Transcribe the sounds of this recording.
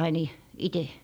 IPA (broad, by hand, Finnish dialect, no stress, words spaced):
ɑin i ite